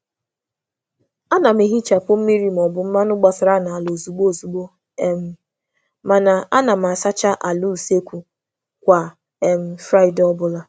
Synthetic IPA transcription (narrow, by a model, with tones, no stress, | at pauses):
a˦na˨mi˨ɦi˦t͡ʃa˨pʊ˦m̩˦mi˦ɾi˦m̩˨ɔ˨bʊ˦m̩˦ma˦nʊ˦ɡ͡ba˨sɪ˨ɾa˦na˨a˨lo˨zu˨ɡ͡bo˦˨zu˨ɡ͡bo˦˨ | m˦ | ma˨na˨a˦na˨m̩˨a˨sa˦t͡ʃa˦ʔa˨lu˦˨se˦kʷu˨ | kʷa˨ | e˨m̩˦fɾa˦ɪ˨dɔ˦bʊ˦la˨